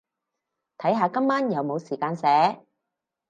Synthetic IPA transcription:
t̪ʰɐ˨˥jɦaː˨˧kɐ˥mːaː˥njɐ˨˧wmo˨˧wsiː˨˩kaː˧nsɛː˨˥

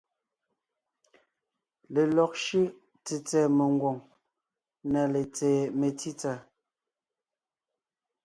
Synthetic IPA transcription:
le˨lɔ˨k̚ʃi˦ | t͡se˨t͡sɛː˨me˨ŋɡwo˨ŋ | na˨le˨t͡sɛː˨me˨ti˦t͡sa˨

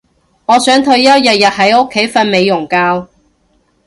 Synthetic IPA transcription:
ŋɔː˨˧sœː˨˥ŋt̪ʰɵ˧ɥjɐ˥w̚jɐ˨t̚jɐ˨t̚ɦɐ˨˥jʊ˥kʰːe˨˥jfɐ˧nme˨˧jːʊ˨˩ŋkaː˧w

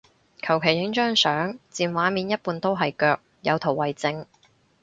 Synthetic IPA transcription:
kʰɐ˨˩wkʰe˨˩jːɪ˨˥ŋt͡ʃœː˥ŋsœː˨˥ŋt͡siː˨˧nwaː˨˧˥miː˨˥njɐ˥t̚puː˨˧nt̪o˥wɦɐ˨jkœː˧k̚jɐ˨˧wt̪ʰo˨˩wːɐ˨jt͡sɪ˧ŋ

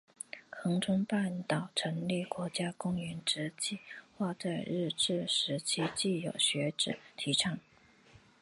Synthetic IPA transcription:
kʰɤ˧˥ŋʈ͡ʂə˥ŋpa˥˩nt̪ɑ˨˩ʊʈ͡ʂʰɤ˧˥ŋli˥˩kwɔ˧˥t͡ɕja˥kʊ˥ŋy˧˥nʈ͡ʂɻ̩˧˥t͡ɕi˥˩xwa˥˧t͡sa˥˧ɪɻɻ̩˥˧ʈ͡ʂɻ̩˥˩ʂɻ̩˧˥t͡ɕʰi˥t͡ɕi˥˩jo˨˩ʊɕɥɛ˧˥ʈ͡ʂɻ̩˨˩˦t̪ʰi˧˥ʈ͡ʂʰɑ˥˩˦ŋ

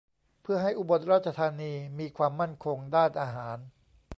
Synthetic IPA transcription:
pʰɯ˥˩ɐɦa˥˩jʔu˧bo˨˩t̪̚ɾaː˥˩t̪t͡ɕa˧t̪ʰaː˧niː˧miː˧kʰwaː˧mːa˥˩nkʰo˧ŋdaː˥˩nʔaː˧ɦaː˩˦n

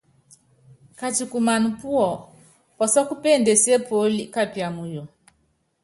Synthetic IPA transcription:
ka˨t͡ʃu˨ku˨ma˨nu˨pu˦ɔ˨ | pɔ˨sɔ˦ku˦pe˦˨nde˨se˦po˨˦li˦ka˦pi˨a˨mu˨jo˨

